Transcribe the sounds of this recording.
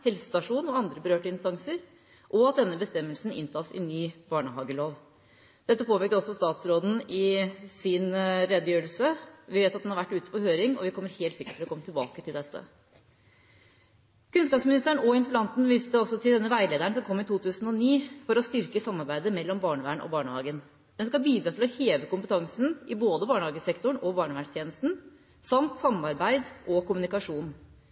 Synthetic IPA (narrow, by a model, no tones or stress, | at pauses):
hɛlsə̥st̪ɑʂuːnɔɑnd̪ɾəbəɾøːʈəɪnst̪ɑŋsəɾ | ʔɔɑt̪̚d̪ɛnːəbəst̪ɛmːəlsn̩ɪ̰nt̪ʰɑːsɪ̰nyːbɑːɳəhɑːɡəloːʋ | d̪̥ɛt̪ːəpʰoːpɪɾk̚t̪əɔsːɔst̪ɑːt̪sɾoːd̪n̩ɪsɪnɾɛd̪əjøːɾəlsəʋɪʋeːt̪ɑt̪d̪ɛnhɑɾʋæʈːʉːt̪ə̥pɔhøːɾɪŋɔ̰ʋɪkʰɔmːəɾheːlt̪sɪkːə̥ʈflɔkɔmːət̪ʰɪlbɑːkət̪ʰɪld̪ɛt̪ʰːə̰ | kʉnskɑːpsmɪnɪst̪əɳɔɪnt̪əblɑnt̪n̩ʋɪːst̪əɑlsɔt̪ʰɪld̪ɛnːəʋæɪleːd̪æɳsɔmkʰɔmːɪt̪ʰuːt̪ʰʉːsn̩ɔniːfɔɾɔst̪ʏɾkəsɑmːɑɾbæɪd̪əmɛlːɔmbɑːɳəʋæːɳʔɔ̰bɑːɳəhɑ̰ːɡən | d̪ɛnskɑlbiːd̪ɾɑːt̪ʰɪlɔheːʋəkʊmpət̪ʰɑŋsn̩ʔɪboːd̪əbɑːɳəhɑːɡəsɛkt̪ʊɳɔbɑːɳəʋæːɳst̪jeːnəst̪n̩ | sɑmt̪sɑmːɑɾbæɪd̪ʔɔkʊmʉnɪkɑʂuːn